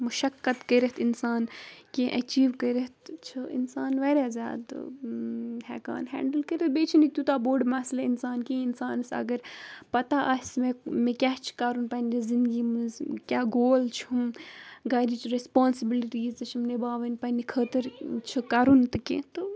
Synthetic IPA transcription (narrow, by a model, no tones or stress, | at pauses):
mɐʃɐkːɐt̪kəɾɐt̪ɪnsaːnkẽʔɐt͡ʃiːʋkəɾɐt̪t͡ʃʰɨɪ̰nsaːnʋɐɾaːzʲa̰ːd̪̰ | ɦɛ̰ːka̰ːnɦɛ̰̃ːɳɖəlkəɾɐt̪̚beːt͡ʃʰinit̪ut̪aboːɖmɐsleinsaːnkẽɪnsaːnsɐ̰ɡɐɾpɐt̪aʔɐsmemẽkʲaːt͡ʃʰkaɾunpɐnʲːizind̪ɡimkʲaːɡoːlt͡ʃʰmɡɐːɾit͡ʃʰɾespaːnsibiliʈiːzt̪ɐt͡ʃʰimnebaːʋɐnpɐnikʰəːt̪əɾt͡ʃʰɨkɐɾunt̪ɨkḛ̃t̪ɨ